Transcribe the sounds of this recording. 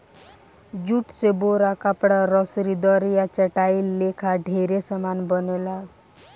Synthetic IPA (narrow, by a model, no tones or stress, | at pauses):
d͡ʒuʈseboɾakəpɽaɾɔsɾid̪ɔɾijat͡ʃəʈaiːekʰaɖʱeɾesəmanbənela